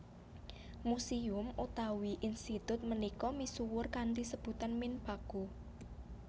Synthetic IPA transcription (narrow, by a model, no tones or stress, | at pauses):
musiʊmut̪awiʔinst̪it̪ʊt̪̚mənikɔmisuwʊrkant̪isəb̥ṳt̪anmɪnpa̤ɡ̥o